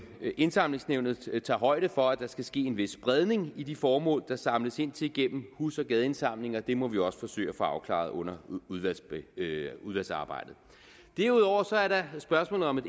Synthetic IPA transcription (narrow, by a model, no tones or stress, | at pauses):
e̝nsɑ̈m̰le̝ŋsneʊnð̞̩ˠt͡sʰɑ̈ːɦɒ̽ɪ̰ɾ̥əfɒ̽æd̥ɑ̈sɡ̥æsɡ̥e̝̰ːenʋe̝sːb̥ʁɛð̞ˠne̝ŋid̥ifɒːmɔ̰ːld̥ɑ̈sɑ̈mləse̝n̰t͡sʰe̝lɡ̥em̰m̩husɒ̽ɡ̥ɛðˠe̝nsɑ̈m̰le̝ŋɒ̽d̥e̝mɒ̽ʋiɒ̽sə̥fɒ̽sø̰ɪ̰æfɒ̽ɑ̈ʊkʰlɑ̰̈ð̩ˠɔ̽n̰ɐ | uð̞ˠʋælsɑ̈ːb̥ɑ̈ɪ̰d̥ð̩ˠ | d̥æɐuð̞ˠɒʊ̰ɐsɒ̽æɐɾɑ̈sb̥ɶɐsmɔ̰ːlð̩ˠɒ̽me̝d